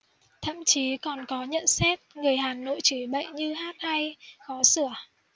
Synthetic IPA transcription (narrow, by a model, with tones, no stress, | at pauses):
t̪ʰə̰˧˨mt͡ɕi˨˦kɔ˨˩nkɔ˨˦ɲə̰˧˨nsɛ˦˥t̚ŋɨ˨˩əjɦaː˨˩no̰˧˨jt͡ɕɨ˧˩jɓə̰˧˨jɲɨ˧haː˦˥t̚ʔa˧jkɔ˨˦sɨ˧˩ə